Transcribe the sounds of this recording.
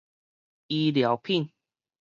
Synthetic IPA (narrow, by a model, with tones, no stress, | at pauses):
i˧lja˨˦wpʰi˥˨n